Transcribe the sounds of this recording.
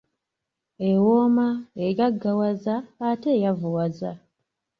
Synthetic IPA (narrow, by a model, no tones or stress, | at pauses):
ewomaeɡaɡːawazaːte̞ːjavuwaza